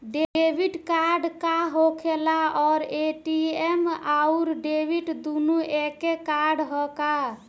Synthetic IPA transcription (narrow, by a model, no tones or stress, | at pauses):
ɖeebiʈkaɾɖkaɦokʰelaɔɾeʈiemauɾɖebiʈd̪unuekekaɾɖɦɔka